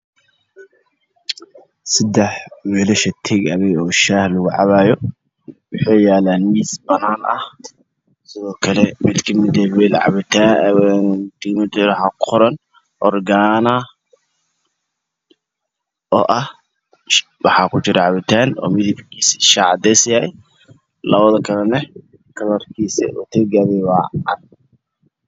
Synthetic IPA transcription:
sɪd̪ɛħwɛːlɐʃɐt̪ʰɛɡɐβɛjɔːʃaːhlʊɣʊʕɑ̰βaːjɔ | wʊħɛːjaːlanːiːsbɐnaːnɐ̰h | sɪðɔːkʰɐlɛmɪd̪kʰɐmɪd̪ɛwɛlʕɑ̰βɪt̪ʰa | t̪kɐmɪd̪ɾħɑqʰʊɾɐn | ʔɔrɡaːnɐ | ɔːʔɐh | wɑħɑkʰʊt͡ʃɪɾɛʕɑβɪt̪ʰaːnɔ̰ːmɪðɪbkʰiːsʃɑʕɑd̪ɛsjaj | lɐβɐðɐkʰɐlɐnɛ | kʰɐlɐrkʰiːsɛ̰ʔɔːt̪ʰɛɡaːðɛwaʕɑn

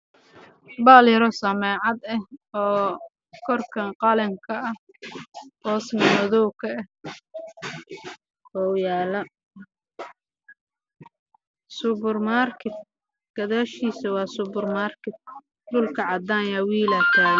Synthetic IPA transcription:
baːljɾɔsɐmɛːʕɑd̪ɛhɔː | kʰɔrkʰɐqɑlɛŋkʰɐʔɐ | hɔːsnɐnɐðɔwkʰɐɛ | ɔːjaːlɐ | sʊbʊrmaːrkʰɪt̪̚ | ɡ̥ɐðaːʃiːsɐwɑːsʊbʊrmaːrkɪt̪̚ | ɖʊlkʰɐʕɑd̪aːnjawiːlɐt̪ʰaː

